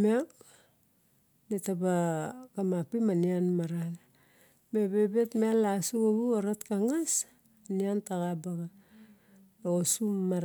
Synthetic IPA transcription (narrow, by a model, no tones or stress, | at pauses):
meak | nitabakamapimanianmaɾal | mebebetmealːasuaβuaɾatkaŋas | niantaɣabaɡa | aosumːaɾ